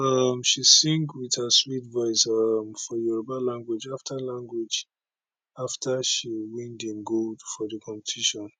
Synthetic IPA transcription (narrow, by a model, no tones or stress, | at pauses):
ʌmʃisĩŋɡwiðhəswitvɔɪsʌmfɔjuɹobalãŋɡwid͡ʒaftʰalãŋɡwid͡ʒ | aftʰəʃiwĩndĩnɡodfɔðəkʰɔ̃mpə̥tʰiʃɔ̃n